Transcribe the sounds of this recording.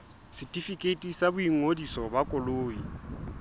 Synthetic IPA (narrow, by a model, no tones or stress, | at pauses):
sɪtʼifikʼetʼisabʊiŋodisɔbakʼɔloːi